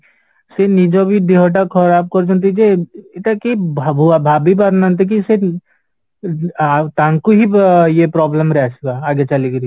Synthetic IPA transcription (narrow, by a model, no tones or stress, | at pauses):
senid͡ʒobʱid̪iɦoʈ̬akʰɔɾaːp̚kɔɾt͡ʃʊnt̪̬id͡ʒieɪt̪akibʱabuabʱaːbibaɾnant̪̬ek̬ise | t̪ãːŋkuɦijepɾɔːbləmɾɛɦsɡaːɡet͡ʃaliɡɾi